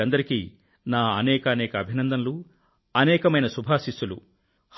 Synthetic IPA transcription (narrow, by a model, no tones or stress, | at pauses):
ɐnd̪ɐɾikiː | naːɐnɛːkɐːnɛːkɐːbʱinɐnd̪ʱɐnlu | ɐnɛːkɐmɐjnɐsubʱaːsisːulṵ | h